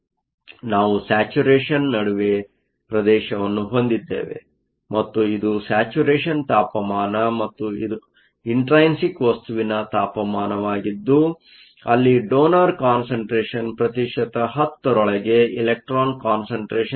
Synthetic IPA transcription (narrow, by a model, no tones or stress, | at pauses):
naːʋusaːt͡ʃuɾeːʂɐnːɐɽuʋe | pɾɐd̪ɛːʃɐʋɐnːuɦo̞nd̪id̪ːḛːʋe̞̰ | mɐt̪ːuid̪usaːt͡ʃuɾeːʂɐnt̪aːpɐmaːnɐmɐt̪ːuid̪u | iɳʈɾɐjnsikʋɐst̪uʋinɐt̪aːpɐmaːnɐʋaːɡid̪ːu | ɐlːiɖoːnɐɾkaːnsɐɳʈɾeːʃɐnpɾɐt̪iʂɐt̪ɐɦɐt̪ːɐɾɔɭɐɡe̞ilek̚ʈɾaːnkaːnsɐɳʈɾeːʃɐ